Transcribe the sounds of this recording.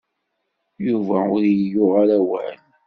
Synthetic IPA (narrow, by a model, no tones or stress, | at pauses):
juvæʊɾjjʊʁaɾæwæ̰n